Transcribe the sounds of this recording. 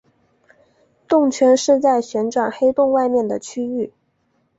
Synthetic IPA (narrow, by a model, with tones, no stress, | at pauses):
t̪ʊ˥˩ŋt͡ɕʰɥɛ˧˥nʂɻ̩˥˧t͡sa˥˩ɪɕɥɛ˧˥nʈ͡ʂwa˨˩nxe˥ɪt̪ʊ˥˧ŋwa˥˧ɪmjɛ˥˩nd̪ə˩t͡ɕʰy˥y˥˩